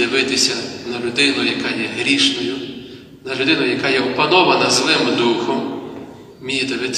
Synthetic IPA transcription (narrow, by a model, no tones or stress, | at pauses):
d̪ɪʋɪt̪ɪsʲɐnɐlʲʊd̪ɪnʊjɐkajɛɦɾʲiʃnɔjʊ | nɐlʲʊd̪ɪnʊjɐkajɛʊpɐnɔʋɐnɐzlˠɪmd̪uxɔm | mʲijid̪ɪʋɪt̪